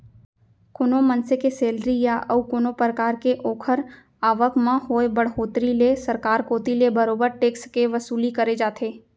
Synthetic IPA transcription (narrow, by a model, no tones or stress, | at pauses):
kʊnomɐnsekeseːlɾijaʔɐukʊnopɾəkaːɾkeʔoːkʰəɾ | aːʋəkmãɦoːebɐɽ̤ɦoːt̪ɾilesɐɾkaːɾkoːt̪ilebɐɾoːbəɾʈeːkskeʋɐsuːlikɐɾed͡ʒaːt̪ʰeː